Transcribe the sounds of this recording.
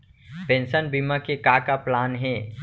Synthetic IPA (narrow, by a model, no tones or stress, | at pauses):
pẽːnsənbiːmãkekaːkaplaːnɦɛː